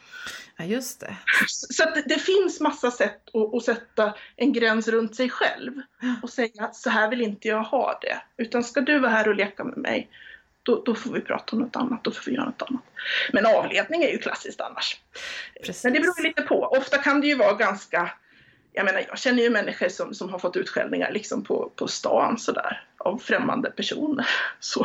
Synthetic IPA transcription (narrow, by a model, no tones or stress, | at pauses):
jɵst̪ɛsɔat̪̚d̪ɛfɪnsmasːasɛt̪ːɔʔɔsɛt̪ːaʔɛnɡɾɛnsɾɵnt̪sɛjɧɛ̰lvɔsɛjːasɔɦæːɾvɪlɪnt̪əjɑːɡhɑ̰ːd̪̥ɛ̰ʉ̟ːt̪anskad̪ɵvaɦæːɾɔleːkamɛ̰mɛ̰j | d̪̥ɔd̪̥ɔfoːɾvɪpʰɾɑ̰ːt̪aɔmnɔt̪ʰa̰nːat̪̚d̪ɔfoːvɪjœ̰ːɾanɔt̪a̰nːat̪mɛnɑːvleːd̪̚nɪŋæjɵkʰla̰sːɪskt̪a̰nːaʂ | ɛnd̪ɛbɾuːjliːt̪əpʰɔ̰ʔɔft̪akʰand̪ɛjɵvɑːɡanska | jʔa̰jmeːnaɾjɑːɡɕɛnːəjɵmɛnːɪɧəʂɔmsɔmɦaɾfɔt̪ːʉ̟ːt̪ɧɛ̰ld̪ɪŋa̰ɾɭɪksɔmpʰɔ̰pʰɔst̪ɑ̰ːnsɔd̪æ̰ːɾavfɾɛmːa̰nd̪əpʰæʂṵːnəɾsɔ